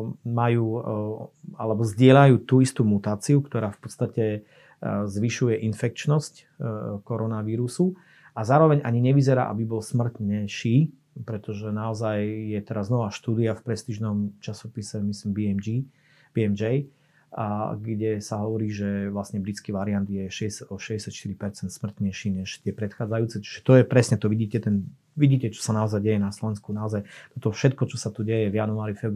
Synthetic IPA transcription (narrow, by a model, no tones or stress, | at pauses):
majuː | alɛbɔzɟɪɛʎajuːt̪uːist̪uːmut̪aːt͡siukt̪ɔɾaːfpɔ̥t̪st̪acɛ | zʋiʃujɛʔinfɛk̚t͡ʃnɔsc | kɔɾɔnaʋiːɾusu | ʔazaːɾɔʋɛɲʔaɲiɲɛʋizɛɾa̰ːʔa̰bibɔlsmr̩t̪ɲɛʃiː | pɾɛt̪ɔʒɛnaɔzajjɛt̪ɛɾaznɔʋaːʃt̪uːd̪iafpɾɛst̪iʒnɔmt͡ʃasɔpisɛmislimbimi | b̥iɛmd͡ʒɛj | ɡɟɛsaɦɔʋɔɾiːʒɛʋlasɲɛbɾit͡skiʋaɾiand̪jɛʃɛɛsad̪ɔʃɛɟɛsjat̪ʃt̪iɾipɛɾt͡sɛnt̪smr̩t̪ɲɛjʃiːɲɛʃt̪ɪɛpɾɛt̪xaːd͡zajuːt͡sɛt͡ʃi̥ʒɛt̪ɔjɛpɾɛsɲɛt̪ɔʋiɟiːcɛt̪ɛn | ʋiɟiːcɛt͡ʃɔ̥sanaɔzajɟɛjɛnaslɔʋɛnskunaɔzajt̪ɔt̪ɔfʃɛt̪kɔt͡ʃɔsat̪uɟɛjɛvjanuaːɾifɛb